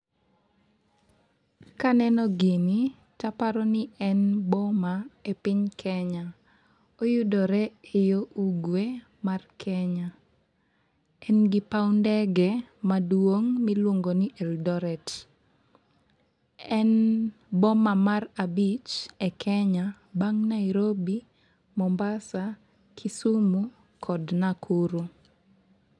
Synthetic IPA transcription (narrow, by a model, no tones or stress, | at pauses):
kanɛnɔɡini | tapaɾɔnɪɛnbɔmaepɪɲkʰɛɲa | ojʊdɔɾɛejoʔuɡwe | markʰɛɲa | ɛnɡɪpawndɛɡɛmadwoŋmilwoŋɡoniʔɛldɔɾɛt | ɛn | bɔmamarabit͡ʃɛkʰɛɲa | baŋnaɪɾobi | mɔmbasa | kʰisumu | kʰɔdnakʰuɾu